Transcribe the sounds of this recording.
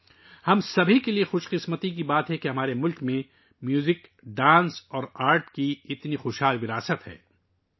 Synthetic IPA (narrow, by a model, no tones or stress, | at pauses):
hɐmsɐbʱikeliexʊʃqɪsmət̪ikibaːt̪ɦɛkeɦɐmaːɾemʊlkmẽ | mjuːzɪk | ɖãːnsɔːɾaːɾʈkiɪt̪nixʊʃɦaːlʋɪɾaːsət̪ɦɛ̰ː